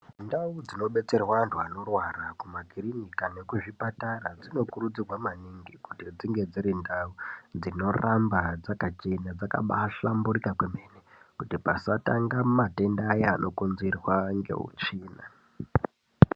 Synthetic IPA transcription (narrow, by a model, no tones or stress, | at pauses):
ndaud͡zino̞ɓe̞t͡se̞rwantʰuano̞rwarakumaɡʱirinikane̞kuʐipatarad͡zino̞kurud͡zirwamaniŋɡikutid͡ziŋɡe̞d͡ziɾindaud͡zino̞rambad͡zakat͡ʃe̞nad͡zaka̰ɓaʃamburikakweme̞ne | kutipasataŋɡamate̞ndaːjeanʔo̞kunzirwaŋɡe̞̰ṵt͡ʃiːna̰